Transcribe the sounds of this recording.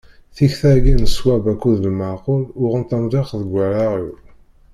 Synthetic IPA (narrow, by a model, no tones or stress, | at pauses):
θiçθæɡinəswæbækːuðəlməɾqolʊʁənt̪æmdˤiχðəɡʷːæɾaʁi